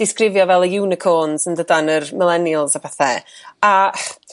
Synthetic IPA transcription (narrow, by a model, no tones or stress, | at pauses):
d̥ɪskrɪvjɔvɛlˠəjɪwnɪkʰɔːnzəndədanərmɪlˠɛnjəlˠsapʰɛθɛa